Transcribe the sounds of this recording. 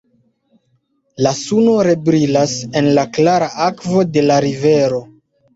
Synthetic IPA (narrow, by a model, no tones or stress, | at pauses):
lasuno̞ɾe̞bɾilase̞nlaklaɾaʔakvo̞de̞laɾive̞ɾo̞